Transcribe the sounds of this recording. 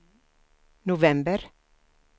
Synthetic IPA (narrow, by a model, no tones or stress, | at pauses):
nʊvɛmbəɾ